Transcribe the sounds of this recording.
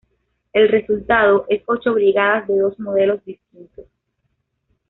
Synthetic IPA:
e̞lre̞sult̪að̞oʔe̞so̞t͡ʃoβɾiɣaðazðe̞ðo̞zmoð̞e̞lo̞zd̪ist̪int̪o̞s

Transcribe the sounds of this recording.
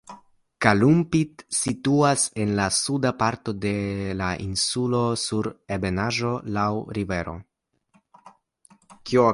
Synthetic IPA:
kalumpitsituase̞nlasudapaɾto̞de̞laʔinsulo̞suɾebe̞naʒo̞lawɾive̞ɾo̞̰ | kio

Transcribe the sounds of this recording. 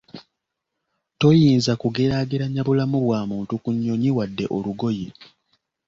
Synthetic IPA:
to̞jiːnzakuɡeɾaɡiɾaɲːaβulamuβwaːmuːntukuɲːo̞ɲiwadːe̞ʔo̞luɡo̞je

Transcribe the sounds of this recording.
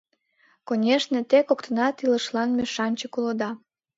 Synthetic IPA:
konʲeʃnet̪ekokt̪ənɑt̪iləʃlɑnmʲeʃɑnʲt͡ɕəkulod̪ɑ

